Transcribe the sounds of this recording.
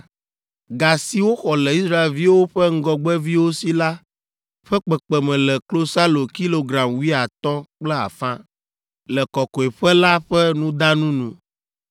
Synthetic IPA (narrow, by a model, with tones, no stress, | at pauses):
ɡa˨si˦wo˦xɔ˨lɛ˨i˦sɾa˦e˨lvi˦wo˦ɸɛ˦ŋ̩˦ɡɔ˦ɡ͡bɛ˦vi˦wo˦si˦la˦ | ɸɛ˦k͡pɛ˨k͡pɛ˨mɛ̃˨lɛ˨klo˦sa˦lo˨ki˦lo˨ɡɾa˨mwi˦a˨t̪ɔ̃˦k͡plɛ˦a̰˨fã˦ | lɛ˨kɔ˨kɔ˨e˨ɸɛ˦la˦ɸɛ˦nũ˦d̪a˦nũ˦nũ˦